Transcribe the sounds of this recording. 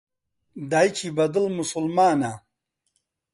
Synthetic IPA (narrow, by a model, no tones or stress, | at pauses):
d̪aːjt͡ɕʰibɐd̪əlmusulmaːna